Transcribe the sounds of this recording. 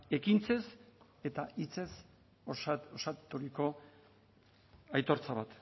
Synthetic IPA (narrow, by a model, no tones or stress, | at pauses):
e̞kint͡se̞s | e̞t̪ait͡se̞s | osat̪uɾiko̞ | ajt̪o̞ɾt͡saβat̪